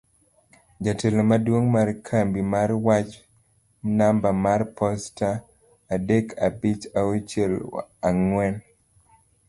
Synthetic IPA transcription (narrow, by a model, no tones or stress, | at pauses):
d͡ʒatelomadwoŋmarkʰambimaɾwat͡ʃ | nambamarpʰɔstaː | dekʰabit͡ʃaot͡ʃelaŋwɛn